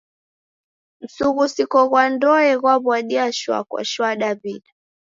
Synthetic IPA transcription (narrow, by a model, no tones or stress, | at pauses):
m̩suɣusikɔɣwandɔɛɣwaβwaɗiaʃwa̰kwa̰ʃwaɗaβiɗa